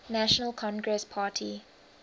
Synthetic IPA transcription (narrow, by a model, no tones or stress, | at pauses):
næʃənəlkʰɔ̃nɡɹɛspʰaːtʰi